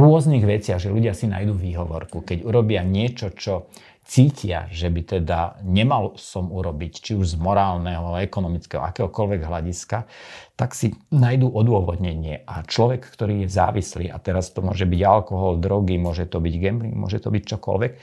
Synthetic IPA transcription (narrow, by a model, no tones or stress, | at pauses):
ɾʊɔzniːɣʋɛt͡sɪaɣʒɛluɟɪasina̰jd̪uːʋiːɦɔʋɔɾkukɛɟuɾɔbɪaɲɪɛt͡ʃɔt͡ʃɔ | t͡siːcɪa̰ʒɛbit̪ɛd̪aɲɛmalsɔmuɾɔbict͡ʃiuʒzmɔɾaːlnɛɦɔɛkɔnɔmit͡skɛɦɔ̰a̰kɛːɦɔkɔlʋɛɡɦlaɟiskat̪aksinajd̪uːʔɔd̪ʊɔʋɔd̪ɲɛɲɪɛʔat͡ʃlɔʋɛkːt̪ɔɾiːjɛza̰ːʋislḭːʔat̪ɛɾast̪ɔmʊɔ̰ʒɛbiɟalkɔɦɔld̪ɾɔɡimʊɔʒɛt̪ɔbiɟɡɛmbɾiŋmʊɔ̰ʒɛt̪ɔbict͡ʃɔkɔ̰lʋɛk